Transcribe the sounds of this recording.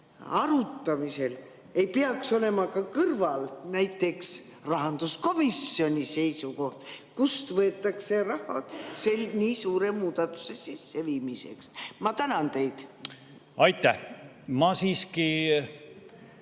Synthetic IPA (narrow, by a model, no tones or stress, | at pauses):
ɑɾut̪ːˑɑmise̞l | e̞jpeɑkso̞le̞mɑkɑkɤrvɑlnæjt̪ːˑe̞ks | rɑɦɑnd̪̥usko̞misːio̞nʲise̞jsuko̞ht̪kust̪vɤet̪ˑːɑkse̞rɑhɑd̪̥se̞lniːsuːɾe̞muːd̪̥ɑt̪ːˑu̥se̞sisːe̞viːmise̞̰ksmɑt̪ænɑnt̪e̞jd̪̥ | ɑjt̪ːˑæh | mɑsiːski